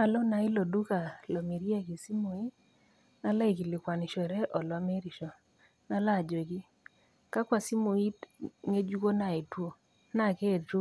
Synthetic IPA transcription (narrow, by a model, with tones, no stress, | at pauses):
a˨lo˦na˨ɪ˦lo˨du˦ka˨lo˨mi˨ɾi˦a˦ki˨si˦mo˨i˦ | na˦la˦i˨ki˨lɪ˨kwa˨ni˨ʃɔ˨ɾɛ˦ʔɔ˨lɔ˦me˦ɾi˨ʃɔ˨ | na˦la˦˨d͡ʒo˨ki˦ | ka˦kwa˨si˦mo˨i˦tŋe˦d͡ʒu˦ko˦na˨i˨two˦ | na˦˨ke˦˨t͡ʃu˦